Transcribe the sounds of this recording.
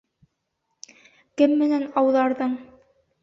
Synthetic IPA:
kɘmːɘ̆nænɑwðɑɾðɤɴ

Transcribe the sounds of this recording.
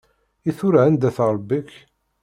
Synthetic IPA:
iθʊɾʕənd̪æθɾˤbːiç

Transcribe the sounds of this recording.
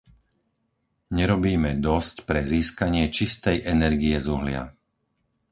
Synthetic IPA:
ɲɛɾɔbiːmɛd̪ɔscpɾɛziːskaɲɪɛt͡ʃist̪ɛjʔɛnɛɾɡiɛzuɦlɪa̰

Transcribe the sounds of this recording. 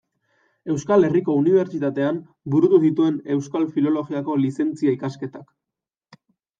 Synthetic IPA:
e̞wskale̞riko̞uniβ̞e̞ɾt͡ʃit̪at̪e̞am | buɾut̪uðit̪ue̞ne̞wskalfilo̞lo̞ɣiako̞lise̞nt͡siaikaske̞t̪ak

